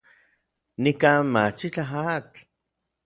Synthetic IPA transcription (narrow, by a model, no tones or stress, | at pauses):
nikaːnmat͡ʃit͡ɬaɦat͡ɬ